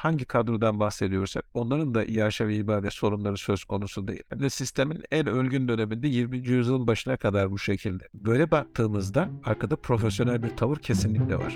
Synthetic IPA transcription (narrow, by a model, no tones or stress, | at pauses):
haɲɟikʰad̪ɾud̪anbaxse̞d̪ijo̞ɾsak̚o̞nlˠaɾɯnd̪aʔijaːʃavɛibaːd̪ɛso̞ɾumlˠaɾɯsø̞z̥kʰo̞nusud̪e̞̰jḭlʲhɛnd̪ɛsist̪ʰe̞minælʲølʲɟynd̪ø̞ne̞mind̪ɛjimbind͡ʒijyzjɯlˠbaʃɯnakʰad̪aɾbuʃe̞cʰilʲd̪ɛbø̞jlʲɛbak̚t̪ʰɯːmɯzd̪aaɾkʰad̪apʰɾo̞fesjo̞nælʲbiɾt̪ʰavɯɾcʰe̞sinlʲicʲlʲɛ̰va̰ɾ̥